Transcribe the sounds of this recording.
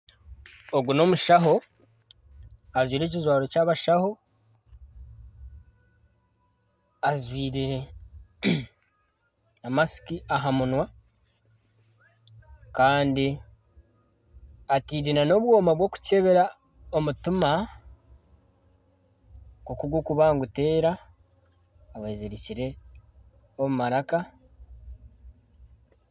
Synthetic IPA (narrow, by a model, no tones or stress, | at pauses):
oɡuno̞muʃaɦo̞ | azwiːɾe̞cizwaːɾo̞caːβaʃaho̞ | azwiːɾeɾe | namasi̥kiaɦamunwa | kaːndi | atiːɾinano̞βwo̞ːmaβwo̞ku̥ce̞βe̞ɾa | omutima | kokuɡukuβaːŋɡute̞ːɾa | βezeɾiciɾe̞ | omumaɾaka